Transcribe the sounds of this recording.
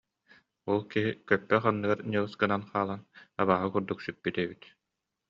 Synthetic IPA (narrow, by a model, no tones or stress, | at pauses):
ɔlˠkiɦikœpːɛχanːɯɡaɾɲʲɯlˠsɡɯnanχaːlˠanaβaːɦɯkuɾd̪uksypːit̪eːbit̪